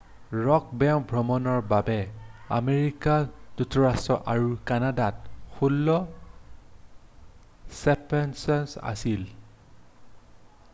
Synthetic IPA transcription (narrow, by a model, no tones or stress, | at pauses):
ɹɔk̚bɛbʱɹɔmɔnɔɹbabɛa̰meɹikaz̥utʰɔɹastɹɔʔaɹukanadatxulːɔ | sɛpɛnsɔnsa̰sil